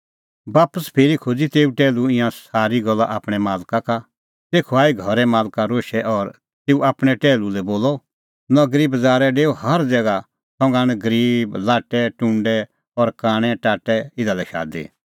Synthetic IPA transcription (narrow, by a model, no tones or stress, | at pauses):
baːpəspʰeːɾikʰoːd͡zit̪eːuʈɛːluɪ̃jãsaːɾiɡɔlːaʔaːpɽ̃ɛmaːlkaka | t̪eːkʰuaːiɡʱɔɾɛmaːlkaɾoːʃɛʔɔɾ | t̪eːuaːpɽ̃ɛʈɛːlulɛboːlɔ | nɐɡɾiːbd͡zaːɾɛɖeːohɐɾd͡zɛːɡa | sɔ̃ŋɡaːɽ̃ɛɡɐɾiːblaːʈɛʈʊ̃ɳɖɛ | ɔɾkaːɽ̃ɛʈaːʈːɛɪd̪alɛʃa̰ːd̪ḭː